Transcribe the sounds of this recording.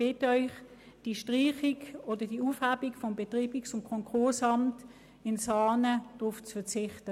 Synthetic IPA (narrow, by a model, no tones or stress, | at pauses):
b̥ɪtœʏχ | d̥iʃtʁiːχikoːdɐd̥iuːfhabikfɔmbetʁiːbiksʊmkʰɔŋkʰʊɐsɑmt | ɪnsɑːnəd̥ʁuft͡sfət͡sɪχtə